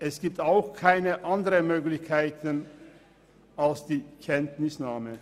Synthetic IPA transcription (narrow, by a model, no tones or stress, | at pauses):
ʔɛsɡ̥iːp̚taʊxkʰaɪnəʔandəʁəmøːɡlɪçkʰaɪtən | ʔalsd̥iːkʰɛntnɪsnaːmə